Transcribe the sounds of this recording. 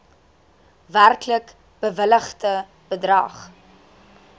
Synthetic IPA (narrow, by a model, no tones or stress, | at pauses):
værklək | b̥əvələχtə | b̥ədrɐ̰ːχ